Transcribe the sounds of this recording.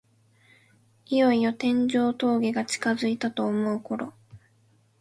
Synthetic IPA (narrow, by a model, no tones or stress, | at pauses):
ijo̞io̞t̪ẽ̞ɲ̟d͡ʑo̞ːt̪o̞ːɡʲiɡat͡ɕi̥kazɨit̪at̪o̞ːmo̞ɯ̟ko̞ɾo̞